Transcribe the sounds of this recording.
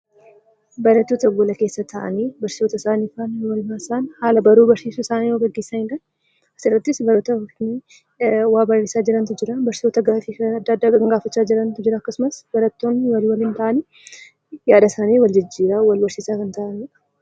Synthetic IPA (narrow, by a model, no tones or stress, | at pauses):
bɐɾɐt̪ːoːt̪ɐɡolɐke̞ːsːɐt̪ʰɐʔɐ̰niːbɐɾsɪ̥sot̪ɐɪsaːniːfanwɐlmaːɪsaːnhaːlɐbɐɾuːbɐɾsiːsuɪsaːniːjoːɡɐɡːe̞ːsːɐnɪᶑɐn | ɐsɪrːɐt̪ːɪsbɐɾɐt̪ɐni | waːbɐrːeːsaːd͡ʒɪɾɐnt̪ʊd͡ʒɪɾɐbɐɾsɪ̥soːt̪ɐɡaːfiɐd̪ːad̪ːaːkɐŋɡaːfɐt͡ʃːaːd͡ʒɪɾɐnt̪ʊd͡ʒɪɾɐːkːɐsʊmɐsb̥ɐɾɐt̪ːo̞ːnːɪwɐliwɐlɪnt̪ɐʔɐnɪ | jaːd̪ɐsaːneːwɐld͡ʒɪd͡ʒːiːɾawɐlbɐɾsiːsaːkɐnt̪ʰɐʔɐnɪᶑɐ̥